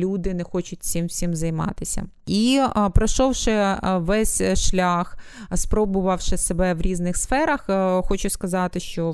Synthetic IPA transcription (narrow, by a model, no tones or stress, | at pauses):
lʲud̪ɪnɛxɔt͡ʃʊtʲsʲimsʲimzɐjmɑ̰t̪ɪsʲɐ̰ | ipɾɐʃɔwʃɪʋɛsʲʃlʲax | spɾɔbʊʋɐwʃɪsebɛʋɾʲiznɪxsfɛɾɐxxɔt͡ʃʊskɐzɑt̪ɪʃt͡ʃɔ